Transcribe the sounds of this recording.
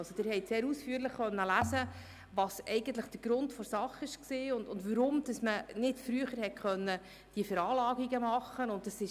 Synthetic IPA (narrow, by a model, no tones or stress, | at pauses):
ɑsod̥ɪːɾhɛɪtseːɾuːsfyːəɾləχχœnːəlæsə | ʋɑːsɛɪɡən̩t̪ləχd̥əɾɡ̥ɾʊntfɔɾsɑχɪʃksiːʊndʊndʋəɾʊmd̥ɑsmənɪtfɾyəχəɾhɛt̚kʰχœnːə | d̥iəfəɾɑːlɑːɡiɡəmɑχːənʊnt̚dɑsɪʃ